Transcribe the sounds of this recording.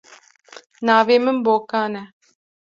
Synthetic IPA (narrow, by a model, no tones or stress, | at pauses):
naːveməmbokaːnɛ